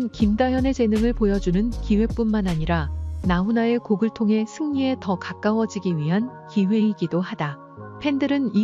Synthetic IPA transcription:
nkimdajʌne̞t͡ɕe̞nɯŋɯɭpojʌd͡ʑunɯnkiwe̞p͈unmanaɲiɾanaunae̞koɡɯɭtʰoŋɦe̞sʰɯŋɲie̞tʌkak͈awʌd͡ʑiɡiɥiɦankiwe̞iɡidoɦada | pʰe̞ndɯɾɯni

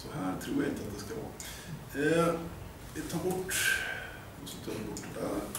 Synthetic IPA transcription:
sɔhæːɾt̪ʰɾuːɾjaɡɪnt̪əɑt̪̚d̪ɛskɑʋɑ̰ːɾ | ʋɪt̪ʰɑːɾbʊʈː | ɔsɪt̪ʰɑːɾʋɪbʊʈːd̪æ̰

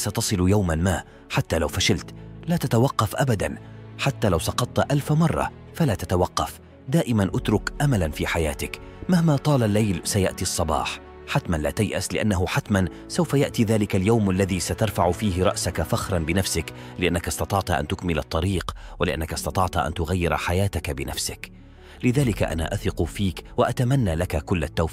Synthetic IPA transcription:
sat̪ɑsˤɨljawmanmaː | ħat̪ːaːlawfaʃalt̪laːt̪at̪awɑqːɑfʔabad̪anħat̪ːaːlawsɑqɑt̪ˤːʔalfmɑrˤːɑ̰ | falaːt̪at̪awɑqːɑf | d̪aːʔɪmanʔʊt̪ɾʊkʔamalanfiːħajaːt̪ɪk | mahmaːt̪ˤɑːlalːajlsaja̰ʔt̪iɑsˤːɑbɑ̰ːħ | ħat̪manla̰ːt̪ajʔaslɪʔanːaɦʊħat̪man | sawfajaʔt̪iːðaːlɪkaljawmʔalːaðiːsat̪ɑɾˤfaʕʊfiːɦɪɾˤɑʔsakafaxɾˤɑnbɪnafsɪklɪʔanːakast̪ɑt̪ˤɑʕt̪ʔa̰nt̪ʊkmɪlɑ̰t̪ˤːɑɾiːqwalɪʔa̰nːakasˤt̪ɑt̪ˤɑʕt̪ʔa̰nt̪ʊɣajːɪɾ̰ħajaːt̪akabɪnafsɪk | lɪðaːlɪka̰ʔa̰na̰ːʔaθɪqʊfiːkwaʔat̪amanːaːlakakʊlːat̪ːaw

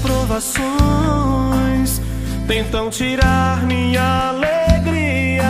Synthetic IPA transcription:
pɾovaso | j̃s | t̪ẽnt̪ɐ̃w̃t͡ʃiɾaɾmĩɲɐaleeɡɾiɐ

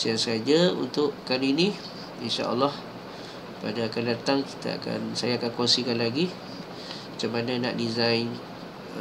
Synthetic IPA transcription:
siaŋsəad͡ʒaṵnt̪ʊʔkaninĩ | inʃa̰a̰lːɔh | padaːkandat̪aŋki̥t̪a̰a̰ka̰nsajaːkankɔnsikanlaɡi | mat͡ʃamanãna̰ʔdizajn

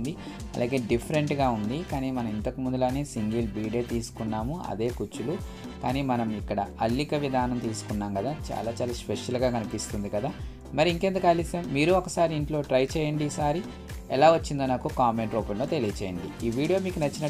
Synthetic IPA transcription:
nd̪i | ɐ̰lʔa̰ːɡe̞ːɖipʰɐɾe̞ɳʈɡaːund̪ikaːniːmɐnɐmint̪ɐkimund̪uloːneːsiŋɡilbiːɽe̞ːt̪iːsu̥kunːaːmuɐ̰d̪e̞ːkut͡ʃːulu | kaːniːmɐnɐmikːɐɽɐɐlːikɐʋid̪ʱaːnɐmt̪iːsu̥kunːaːmkɐd̪aːt͡ʃa̰ːlaːt͡ʃaːlaːspeʂɐlɡaːkɐnipist̪und̪ikɐd̪aː | mɐɾiiŋkeːnt̪ɐkɐlist̪eːmmiːɾuɔkːɐsaːɾiːɳʈlo̞ːʈɾɐjt͡ʃɛːjɐɳɖiiːsaːɾi | ɛlaːʋɐt͡ʃːind̪oːnaːkukaːme̞ɳʈɾoːpɐllo̞ːt̪e̞liːɐt͡ʃɛːjɐɳɖḭiːʋiːɽijo̞ːmiːkunɐt͡ʃːinɐ

